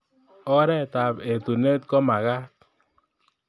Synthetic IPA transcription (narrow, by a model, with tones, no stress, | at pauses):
ɔ˦ɾɛ˦˨ta˨pe˨tu˨ne˦t̚kɔ˦ma˨ka˦t̚